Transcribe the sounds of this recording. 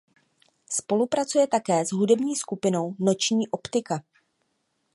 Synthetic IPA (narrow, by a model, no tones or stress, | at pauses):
spo̞lupɾat͡sujɛt̪akɛːzɦudɛbɲiːskupɪno̞wno̞t͡ʃɲiːʔo̞pt̪ɪka